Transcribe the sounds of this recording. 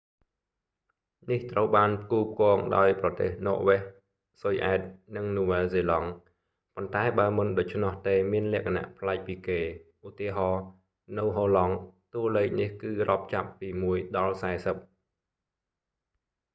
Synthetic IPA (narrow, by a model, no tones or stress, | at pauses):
niht̪rəwɓaːnpəkuːp̚kŏəŋɗa̰ɔjprɑt̪ḛːhnŏəʔʋɛh | sojʔaɛt̪̚nɨŋnuːʋɛlseːlɑŋ | pont̪aɛɓaəmɨnɗoc̚t͡ɕʰnŏəht̪eːmiənlɛ̆əkʰana̰ʔpʰlaɛk̚piːkeːʔut̪iəɦɑː | nɨwɦoːlɑŋt̪uəleːk̚nihkɨːrŏəp̚t͡ɕapːiːmuəjɗɑlsaɛsəp̚